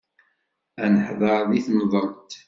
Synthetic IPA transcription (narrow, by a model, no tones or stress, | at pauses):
ænəħðˤɑɾˤðiθmðˤənt̪